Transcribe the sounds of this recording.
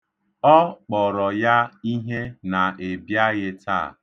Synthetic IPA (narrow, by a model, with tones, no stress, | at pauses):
ɔ˦k͡pɔ˨ɾɔ˨ja˦i˦ɦe˦na˨e˨bja˦ɣɪ˦ta̰ː˦˨